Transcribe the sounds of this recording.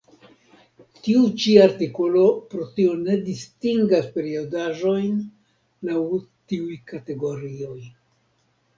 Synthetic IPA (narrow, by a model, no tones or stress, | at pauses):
tiut͡ʃiaɾtiko̞lo̞pɾo̞tio̞ne̞distiŋɡaspe̞ɾiodaʒo̞jn | lawtiujkate̞ɡo̞ɾio̞j